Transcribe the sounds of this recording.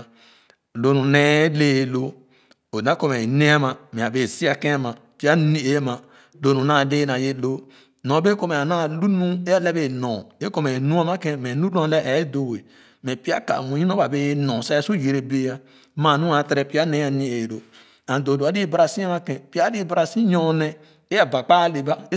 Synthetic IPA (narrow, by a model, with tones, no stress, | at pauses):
lo˨˦nũ˨nɛ˦le˦˨lo˦ | o˨nã˦kɔ˦mɛ˨nɛ̃˦a˦mã˨mɛ̃˨a˨be˨si˦a˦˨kɛ̃˦mã˨ | pi˦a˦nĩ˦e˨˦mã˨ | lo˨˦nũ˨nã˦˨de˦nã˨je˦lo˦ | nɔ̃˨˦be˦kɔ˦mɛ˨a˨nã˦lu˦nũ˦e˦a˦lɛ˦be˨nɔ̃˨e˦kɔ˦mɛ˨nũ˦a˦mã˦kɛ̃˦mɛ̃˨nũ˦dɔ̃˦lɛ˦ʔɛ˨˦do˨we˨ | mɛ̃˨pi˦a˦ka̰˨mũ˨˦ĩ˦no˦ba˨be˦jnɔ̃˨sa˦su˦˨je˨ɾe˨be˦a˦ | ma˨nũ˦a˨˦tɾɛ˦pi˦a˦nẽ˦a˨nĩ˦e˨do˨ | ã˨do˨do˨a˨˦di˦ba˦ɾa˨sĩ˦a˦ma˦kɛ̃˨pi˦a˦di˦ba˨ɾa˨sĩ˦ɲɔ̃˦nɛ˦ | e˦a˨ba˨k͡pa˦le˨ba˦